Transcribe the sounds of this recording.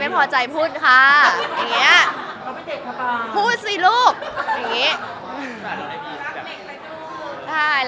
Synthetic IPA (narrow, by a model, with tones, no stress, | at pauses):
a˧jpʰɔː˨˩t͡ɕa˧jpʰuː˥˩t̪̚kʰa˦˥˩ja˨˩ŋːi˦˥ɐ | pʰuː˥˩t̪̚siː˨˩luː˥˩k̚ja˨˩ŋiː˦˥˧ | t͡ɕʰa˥˩